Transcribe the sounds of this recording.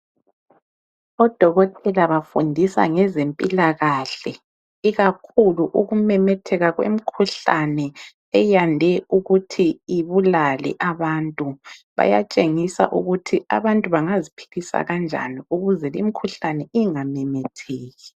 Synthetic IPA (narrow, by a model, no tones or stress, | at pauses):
ɔd̥ʱɔɣɔtʼɛlaβafundʱisa̰ŋɛzempʼilaɣaɬɛ | iɣakʰuluʔuɣumɛmɛtʰɛɣaɣwḛm̩kʰuɬanɛ | ɛjandʱɛuɣutʰiiβulalɛ̰ʔaβantʼuβa̰ja̰t͡ʃʼeŋisa̰ʔṵɣutʰiʔa̰βantʼuβaŋazipʰi̥ɣisa̰ɣand͡ʒʱa̰niuɣuzɛlimikʰuɬanɛʔiŋamɛmɛtʰɛːɣi